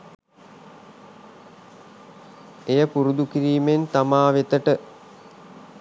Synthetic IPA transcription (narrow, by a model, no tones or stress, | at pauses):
ejəpuɾud̪ukiɾiːment̪amaːʋet̪əʈə